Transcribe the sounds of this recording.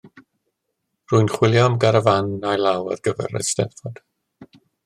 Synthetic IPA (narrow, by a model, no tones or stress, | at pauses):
ruɨnχwɪljɔmɡaɾəvanːajlˠawə̰rɡəvɛ̰ɾɛ̰stɛ̰nfɔd̥